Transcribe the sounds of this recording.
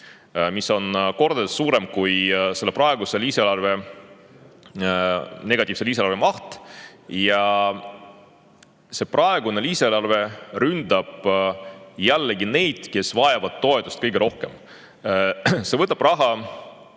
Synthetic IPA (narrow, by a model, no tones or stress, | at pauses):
misːo̞nko̞rd̪̥essuːɾe̞mkujse̞lːeprɑe̞ɡ̥use̞liːselɑrve̞ | ne̞ɡ̥ɑt̪ʲˑiːv̥se̞liːs̬elɑɾvemɑht̪jɑ | se̞prɑe̞ɡune̞liːselɑrve̞rynd̪ɑb̥ | jælːeɡine̞jd̪̥ke̞svɑjɑvɑd̪̥̚t̪ːo̞e̞t̪ːˑust̪̚kɤjɡ̥eɾo̞hke̞m | se̞vɤt̪ːˑɑb̥rɑɦɑ